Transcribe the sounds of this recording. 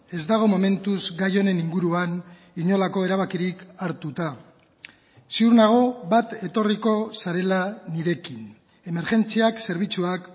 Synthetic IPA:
e̞zd̪aɣ̞o̞mo̞me̞nt̪uzɡajo̞ne̞niŋɡuɾuan | iɲo̞lako̞e̞ɾaβ̞akiɾikaɾt̪ut̪a | siuɾnaɣ̞o̞βat̪e̞t̪o̞riko̞saɾe̞laniɾe̞kin | e̞me̞ɾʝe̞nt͡siakse̞ɾβ̞it͡suak

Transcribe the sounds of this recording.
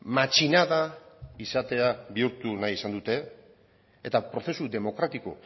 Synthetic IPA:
mat͡ʃinaðaisat̪e̞aβiuɾt̪unajisand̪ut̪e̞ | et̪apɾo̞θe̞sud̪e̞mo̞kɾat̪iko̞̰

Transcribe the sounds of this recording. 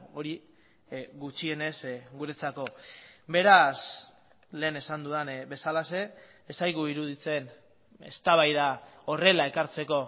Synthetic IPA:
o̞ɾi | ɣut͡ʃie̞ne̞sɡuɾe̞t͡sako̞be̞ɾas | le̞ːne̞sand̪uðanbe̞salase̞ː | sajɣuiɾuð̞it͡se̞n | e̞̰st̪aβajðao̞re̞lae̞kaɾt͡se̞ko̞

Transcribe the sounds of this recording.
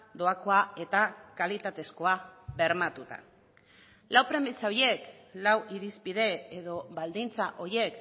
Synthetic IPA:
d̪o̞ako̞ae̞t̪akalit̪at̪e̞sko̞aβe̞ɾmat̪ut̪a̰ | lawpɾe̞misao̞je̞k | lawʔiɾispið̞e̞eðo̞βald̪int͡saʔo̞ɾje̞k

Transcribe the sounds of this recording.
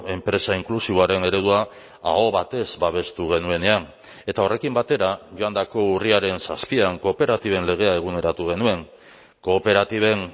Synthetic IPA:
e̞mpɾe̞saiŋklusiβoaɾe̞ne̞ɾe̞ðua | a̰o̞βat̪e̞zbaβ̞e̞st̪uɣ̞e̞nue̞ne̞an | e̞t̪ao̞re̞kimbat̪e̞ɾaʝo̞and̪ako̞uriaɾe̞nsaspiaŋko̞pe̞ɾat̪iβ̞e̞nle̞ɣ̞e̞ae̞ɣ̞une̞ɾat̪uɣ̞e̞nue̞ŋ | ko̞pe̞ɾat̪iβ̞e̞ŋ

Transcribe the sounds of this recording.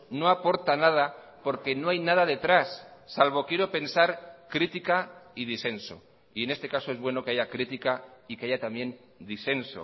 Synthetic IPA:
no̞apo̞ɾt̪anað̞a | po̞ɾke̞no̞ajnaðaðe̞t̪ɾasːalβo̞kje̞ɾo̞pe̞nsaɾkɾit̪ikaið̞ise̞nso̞̰ | ie̞ne̞st̪e̞kaso̞e̞zβwe̞no̞ke̞aʝakɾit̪ikaike̞ajat̪amjẽ̞n | d̪ise̞nso̞̰

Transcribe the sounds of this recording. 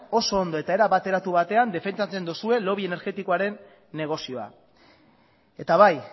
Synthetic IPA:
o̞so̞ːnd̪o̞e̞t̪ae̞ɾaβat̪e̞ɾat̪uβat̪e̞and̪e̞fe̞nt͡sat͡se̞nd̪usue̞lo̞βie̞ne̞ɾɣe̞t̪iko̞aɾe̞nː | e̞ɣ̞o̞sio̞a̰ | e̞t̪aβaj

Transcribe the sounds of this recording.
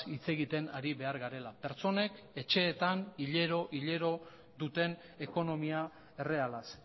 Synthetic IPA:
it͡se̞ɣit̪e̞naɾiβe̞aɾɣaɾe̞lape̞ɾt͡so̞ne̞k | e̞t͡ʃe̞ːt̪aniʎe̞ɾo̞ʔiʎe̞ɾo̞ | ðut̪e̞n | e̞ko̞no̞mia | e̞re̞alas

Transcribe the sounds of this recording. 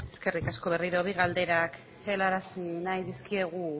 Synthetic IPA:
e̞ske̞rikasko̞β̞e̞riɾo̞βiɣald̪e̞ɾak | e̞laɾasinajðiskie̞ɣ̞u

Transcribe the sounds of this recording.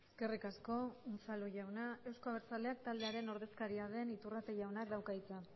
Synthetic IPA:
eske̞rikasko̞usaluʝawnae̞wskoaβeɾt͡sale̞ak̚t̪ald̪e̞aɾe̞no̞ɾðe̞skaɾiaðe̞nit̪urat̪eʝawnakd̪awkait͡sa

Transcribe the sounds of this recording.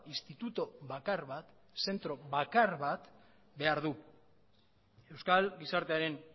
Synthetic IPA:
ist̪it̪ut̪oβakaɾβat̪ | se̞nt̪ɾo̞βakaɾβat̪ | be̞aɾðu | e̞wskalɡisaɾt̪e̞aɾe̞n

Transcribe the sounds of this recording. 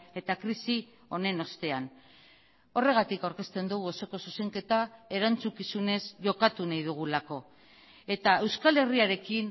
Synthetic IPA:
e̞t̪akɾisi | o̞ne̞no̞st̪e̞an | o̞re̞ɣ̞at̪ikawɾke̞st̪e̞nd̪uɣuo̞so̞ko̞suse̞ŋke̞t̪ae̞ɾant͡sukisune̞zʝo̞kat̪unajðuɣ̞ulako̞ | e̞t̪ae̞wskale̞riaɾe̞kin

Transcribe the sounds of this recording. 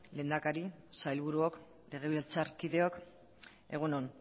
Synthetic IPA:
le̞ːnd̪akaɾisajlβuɾuok | le̞ɣ̞e̞βilt͡saɾkiðe̞o̞k | e̞ɣ̞unon

